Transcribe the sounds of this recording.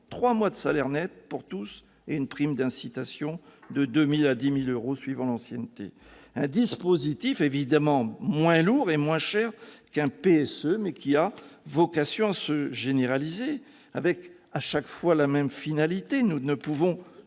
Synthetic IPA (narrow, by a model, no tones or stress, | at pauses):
t̪χwamwad̪əsalɛʁnɛt̪̚puʁt̪us | eynpχimd̪ɛ̃sit̪asjɔ̃d̪əd̪ømilad̪imiløʁosɥivɑ̃lɑ̃sjɛnt̪ḛ | ɛ̃d̪ispozit̪ifevid̪amɑ̃mwɛ̃luʁemwɛ̃ʃɛʁkɛ̃peɛsømɛkʲiavɔkasjɔ̃asəʒeneʁalize | a̰vɛk | aʃakfwalamɛmfinalit̪enunəpuvɔ̃